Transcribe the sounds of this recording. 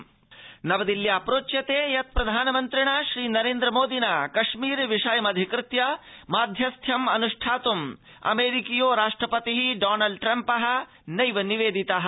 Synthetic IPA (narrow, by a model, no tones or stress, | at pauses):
nɐʋɐd̪iljaːpɾoːt͡ʃjɐt̪eːjɐt̪̚pɾɐd̪ʱaːnɐmɐnt̪ɾiɳaʃɾiːnɐɾeːnd̪ɾɐmoːd̪inaːkɐʃmiːɾʋiʂɐːjɐmɐd̪ʱikɾɪt̪jɐ | maːd̪ʱjɐst̪ʰjɐmɐnuʂʈʰaːt̪um | ɐ̰meːɾikijoːɾaːʂʈɾɐpɐt̪iɦiɖaːnɐlɖ̚ʈɾɐmpɐɦɐ̆ | nɐjʋɐniʋeːd̪it̪ɐɦɐ